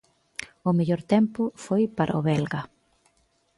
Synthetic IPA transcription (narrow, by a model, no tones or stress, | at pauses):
ʊmeʎoɾt̪empʊfojpaɾʔɐoβɛlɣɐ